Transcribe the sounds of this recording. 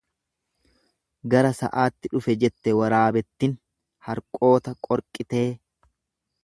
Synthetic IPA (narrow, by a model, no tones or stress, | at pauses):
ɡɐɾɐsɐ̰ʔaːt̪ːɪᶑʊfɛd͡ʒɛt̪ːɛwɐɾaːbɛt̪ːɪn | hɐɾkʼo̞ːt̪ɐkʼɔɾkʼːɪt̪e̞ː